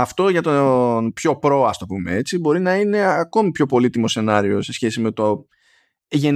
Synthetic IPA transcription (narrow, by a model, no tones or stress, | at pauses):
ɐft̪o̞ʝɐt̪onpço̞pɾo̞ɐst̪o̞pume̞̰e̞t͡sibo̞ɾinɐine̞ɐko̞mipço̞po̞lit̪imo̞se̞nɐɾio̞se̞sçe̞sime̞t̪o | ʝe̞n